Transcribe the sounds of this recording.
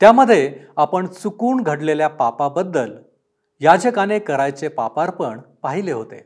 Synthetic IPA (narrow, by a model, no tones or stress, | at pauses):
t̪jaməd̪ʱːjeapəɳt͡sukuːɳɡʱəɽleljapapabəd̪ːəl | jad͡ʑəkanekəɾajt͡sepapaɾpəɳpaɦileɦot̪ḛ